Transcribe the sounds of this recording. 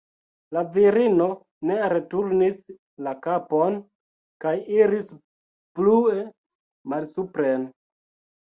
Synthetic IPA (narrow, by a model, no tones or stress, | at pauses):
laviɾino̞ | ne̞ɾe̞tuɾnis | lakapo̞n | kajiɾis | plue | malsupɾen